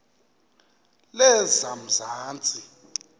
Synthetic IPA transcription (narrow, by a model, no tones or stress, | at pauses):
lɛzam̩zaːnt͡sʼi